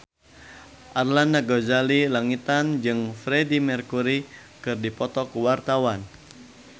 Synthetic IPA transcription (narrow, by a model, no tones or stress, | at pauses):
ʔarlandaɡozalilaŋit̪and͡ʒɨŋfɾedimɛrkuɾi | kɨrdipɔt̪ɔkuwart̪awan